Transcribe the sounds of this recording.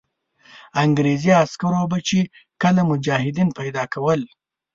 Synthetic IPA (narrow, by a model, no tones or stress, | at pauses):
aŋɡɾeziaskaɾobat͡ʃe | kəlamʊd͡ʒɑhɪd̪inpajd̪ɑkʰawəl